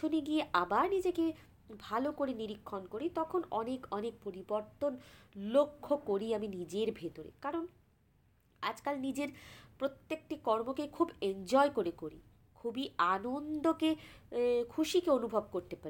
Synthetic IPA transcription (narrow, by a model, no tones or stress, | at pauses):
oneɡieabaɾnid͡ʑeke | bʱalokoɾeniɾikʰːonkoɾit̪ɔkʰonɔnekɔnek̚poɾiboɾt̪onlokʰːokoɾiaminid͡ʑeɾbʱet̪oɾḛkaɾon | ad͡ʑkalnid͡ʑeɾpɾot̪ːekʈikɔɾmokekʰubend͡ʑɔekoɾekoɾi | kʰubianond̪oke | kʰuʃikeonubʱob̚koɾt̪epaɾi